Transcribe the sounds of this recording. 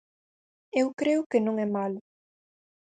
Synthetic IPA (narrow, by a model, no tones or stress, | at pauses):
ewkɾeʊkɪnõŋɛmalʊ